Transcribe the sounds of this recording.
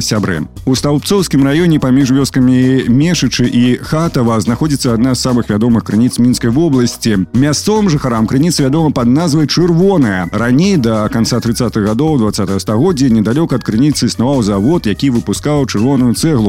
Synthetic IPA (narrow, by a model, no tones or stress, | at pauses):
sʲabɾɨ̰ | ust̪awp̚tsɔwskʲimrajɔnʲɛpamʲiʂvʲɔskɐmʲimʲɛʂɨt͡ʂɨʔixat̪ɐvɐznaxɔd͡zʲit̪sːɐad̪nazːamɨxvʲad̪ɔmɨxkɾɨnʲit̪smʲinskɐjvɔblˠɐsʲt͡sʲimʲast̪sɔvɨmʐɨxaɾamkɾɨnʲit̪sɨvʲad̪ɔmɐpɐd̪̚nazvɐjt͡ʂɨrvɔnɐjɐranʲejd̪ɐkant̪sat̪ɾɨt̪sːat̪ɨɣɣad̪ɔwd̪vat̪sːat̪ɐɣɐst̪aɣɔd͡zʲːɐnʲɛd̪alʲɔkɐːt̪̚kɾɨnʲit̪sɨisnavawzavɔt̪jakʲivɨpuskawt͡ʂɨrvɔnujut̪sɛɣlˠu